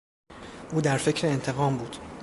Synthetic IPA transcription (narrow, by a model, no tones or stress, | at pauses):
ʔuːd̪æɾfe̞cʰɾeːnt̪ʰe̞ɣɒːmbuːd̪̥